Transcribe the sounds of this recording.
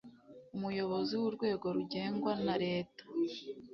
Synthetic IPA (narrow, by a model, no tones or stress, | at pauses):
umujo̞βo̞ziwuɾɡwe̞ːɡo̞ɾuɟe̞ːŋɡwanaɾe̞ːtḁ